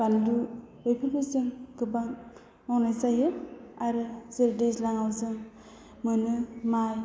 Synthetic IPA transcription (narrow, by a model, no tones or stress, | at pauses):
bandu | ɯjpʰɯpɯsɯŋɡɯbaŋ | ɔwnajsajɯaɾɯzeɾdeslaŋawzɯŋ | mɯnɯmaj